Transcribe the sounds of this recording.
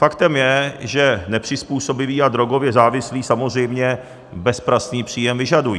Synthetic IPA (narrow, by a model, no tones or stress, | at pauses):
fakt̪ɛmjɛʒɛnɛpr̝̥ɪspuːso̞bɪviːad̪ɾo̞ɡo̞vjɛzaːvɪsliːsamozr̝ɛjmɲɛ | bɛspɾasɲiːpr̝̥iːjɛmvɪʒadujḭː